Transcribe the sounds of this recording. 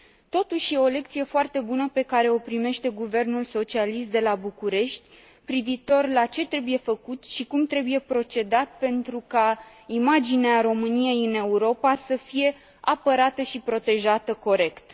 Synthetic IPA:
t̪o̞t̪uʃje̞o̞le̞k̚t̪sije̞foart̪e̞bunəpe̞kaɾe̞o̞pɾime̞ʃt̪e̞ɡuve̞rnulso̞t͡ʃialis̬t̪̚d̪e̞labukuɾe̞ʃt̪ʲ | pɾiviːt̪o̞rlat͡ʃe̞t̪ɾe̞buje̞fəkut̪ʃikumt̪ɾe̞buje̞pɾo̞t͡ʃe̞d̪at̪̚pe̞nt̪ɾuka | imad͡ʒineaɾo̞mɨnije̞jɨne̞uɾo̞pasəfije̞ | apəɾat̪əʃipɾo̞t̪e̞ʒat̪əko̞ɾe̞kt̪

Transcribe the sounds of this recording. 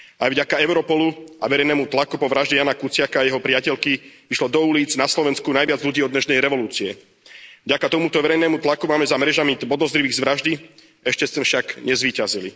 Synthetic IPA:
ajvɟakaɛʊɾɔpɔlua̰ʋɛɾɛjnɛːmut̪lakupɔʋɾaʒɟɛjanakut͡sɪakaːjɛɦɔpɾɪacɛʎkiʋiʃlɔd̪ɔuliːd͡znaslɔʋɛnskunajʋɪad͡zlʎuɟiːɔd̪ɲɛʃnɛjɾɛʋɔluːt͡siɛ̰ | vɟakat̪ɔmut̪ɔʋɛɾɛjnɛːmut̪lakumaːmɛzamɛɾɛʒamibɔd̪ɔzɾiʋiːɣzʋɾaʒd̪i | ɛʃcɛsɛfʃaɡɲɛzʋiːcazilḭ

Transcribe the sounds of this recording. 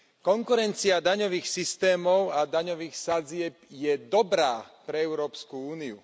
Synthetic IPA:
kɔŋkuɾɛnt͡siad̪aɲɔʋiːxsist̪ɛːmɔʊad̪aɲɔʋiːxsad͡zɪɛp̚jɛd̪ɔbɾaːpɾɛɛʊɾɔːpskuuːniu

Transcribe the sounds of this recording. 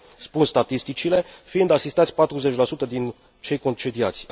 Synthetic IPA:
spunst̪at̪ist̪it͡ʃile̞fiɨnd̪asist̪at̪sʲpat̪ɾuze̞t͡ʃʲlasut̪əd̪in | t͡ʃe̞jko̞nt͡ʃe̞d̪iat̪sʲ

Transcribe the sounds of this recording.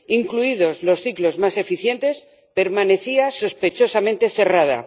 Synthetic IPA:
iŋkluiðo̞zlo̞sθiklo̞zmase̞fiθje̞nt̪e̞s | pe̞ɾmane̞θiaso̞spe̞t͡ʃo̞samẽnt̪e̞θe̞rað̞a̰

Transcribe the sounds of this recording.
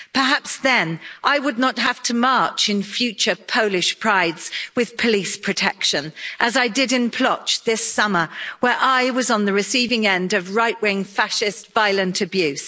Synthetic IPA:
pʰə˞ɦapsðɨ̃nʔaɪwədⁿnət̚ɦəftʰəmɑɹt͡ʃɨ̃nfjʉt͡ʃə˞pʰoʊlɪʃpʰɹ̥aɪdz̥wɨð̥pʰəlispʰɹ̥ɨtʰɛkʃɨ̃nʔəzaɪdɪɾɨ̃npʰl̥ʌt͡ʃðɪsʌmə˞wə˞ʔaɪwʌzn̩ðɨɹɨsivɪ̃ŋɛ̃ndʌvɹaɪʔwɪ̃ŋfæʃɪstv̥aɪlˠə̃ntʰɨbjʉs

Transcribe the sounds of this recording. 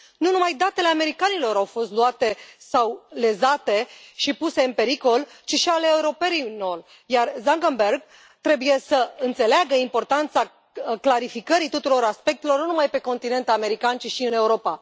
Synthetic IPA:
nunumajd̪at̪e̞le̞ame̞ɾikanilo̞ɾawfo̞st̪luat̪e̞sawle̞zat̪e̞ʃipuse̞ɨnpe̞ɾiko̞lt͡ʃiʃialeːuɾo̞pe̞ɾinor | jarzaŋɡəmberɡ̚ | t̪ɾe̞buje̞səɨnt̪se̞leaɡəimpo̞rt̪ant̪sa | klaɾifikəɾit̪ut̪uɾo̞ɾaspe̞k̚t̪e̞lo̞rnunumajpe̞ko̞nt̪ine̞nt̪ame̞ɾikant͡ʃiʃiɨne̞uɾo̞pa

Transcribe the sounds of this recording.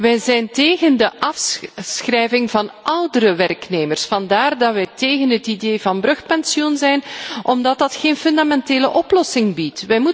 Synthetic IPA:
ʋɛjzɛjnteːɣəndəʔɑfsxrɛjvɪŋvɑnʔœwdəɾəʋɛrkneːmərsfɑndaːrdɑʋɛjteːɣənɦətideːvɑnbrɵxpɛnsjɔnzɛjnʔɔmdɑt̚dɑtxeːnfɵndamɛnteːləʔɔplɔsɪŋbitʋɛjmu

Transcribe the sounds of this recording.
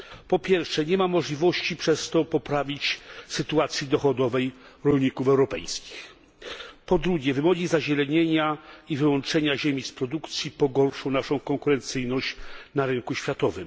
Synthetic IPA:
pɔpʲjɛɾfʂɛɲɛmamɔʐlʲivɔɕt͡ɕipʂɛst̪ɔpɔpɾavʲit͡ɕsɘt̪uat̪sʲjid̪ɔxɔd̪ɔvɛj | ɾɔlɲikufɛwɾɔpɛ̰jskʲi̥x | pɔd̪ɾuɡʲjɛvɘmɔɡʲizaʑɛlɛɲeɲaivɘwɔnt͡ʂɛɲaʑemʲispɾɔd̪ukt̪sʲjipɔɡɔɾʂɔ̃w̃naʂɔ̃w̃kɔŋkuɾɛnt̪sɘjnɔɕt͡ɕnaɾɘŋkuɕfʲjat̪ɔvɘm

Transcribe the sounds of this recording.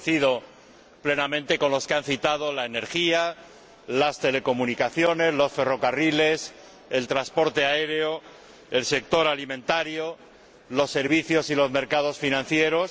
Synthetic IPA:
θiðo̞ | ple̞namẽ̞nt̪e̞ko̞nlo̞skeanθit̪að̞o̞laene̞ɾxia | last̪e̞le̞ko̞munikaθjo̞ne̞zlo̞sfe̞ro̞karile̞s | e̞lt̪ɾaspo̞ɾt̪e̞aeɾeo̞ | else̞k̚t̪o̞ɾalimẽnt̪aɾjo̞ | lo̞sːe̞ɾβ̞iθjo̞silo̞zme̞ɾkað̞o̞sfinãn̟θje̞ɾo̞s

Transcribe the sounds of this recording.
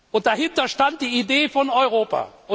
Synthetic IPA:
ʔʊnt̚d̥ahɪntɐʃtant̚d̥iːideːfɔnɔʏʁoːpa̰ːʔʊ

